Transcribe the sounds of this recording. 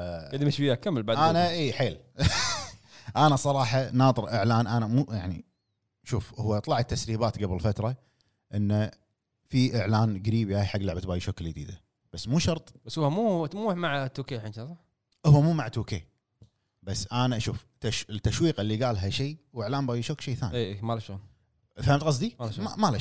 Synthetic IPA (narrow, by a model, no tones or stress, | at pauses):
ɪd̪imɪʃbɪjːakamːɪlbaʕdʔ̪aːnaʔiːħeːl | ʔanasˤɑɾˤɑːħɑnɑːt̪ˤɨɾʔɪʕlaːnʔanamuːjaʕnḭ | ʃuːfhʊwːat̪ˤlɑʕat̪ːasɾiːbaːt̪ɡablɪlfat̪ɾˤɑ | ʔɪnːa | fiʔɪʕlaːnɡaɾiːbiʔaːjħaɡːlaʕbat̪baːjʃokljd̪ḭːd̪a | b̥asːmuːʃɑɾˤt̪ˤbasʊːamuːmuːħmaʕt̪ːuːkeːħnʃaˤɑ | ʔʊhʊwːamuːmaʕt̪ːuːkḛː | basːʔanaʔaʃṵːft̪ːaʃɪt̪ːaʃwiːqʔɪlːiɡaːlɦaʃiːwɪʕlaːnbaːjiʃoːkʃeːθaːnieːemalaʃoːn | famt̪qɑs̬ˤd̪iamala